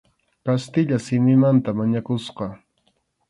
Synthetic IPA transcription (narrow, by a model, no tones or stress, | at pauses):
kast̪ɪʎasɪmɪmant̪amaɲakʊsqɑ